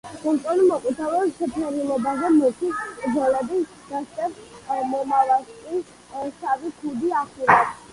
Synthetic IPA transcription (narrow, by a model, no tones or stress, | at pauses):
kʼult̪ʼɔlimɔqʼwit̪ʰavɛʃɛpʰɛɾilˠɔbazɛmut̪ʰiskʼd̪zɔlɛbi | d̪̥ast̪ʼɛbmɔmavalˠʃkʼi | savikʰud̪iaχulɛbs